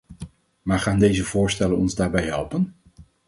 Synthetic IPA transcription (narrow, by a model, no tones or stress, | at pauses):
maːɹχaːndejzəvʊːɹstɛlənɔ̰nzdaːɹbɛjɦɛlˠpən